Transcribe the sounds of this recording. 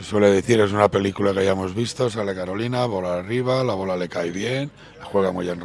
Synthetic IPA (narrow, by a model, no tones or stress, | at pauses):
seswe̞le̞ðeθiɾe̞s̬unape̞likulakeajamo̞zβist̪o̞s̬ale̞kaɾo̞linaβo̞lariβ̞alaβ̞o̞lale̞kajβje̞n | laxwe̞ɣ̞amujenr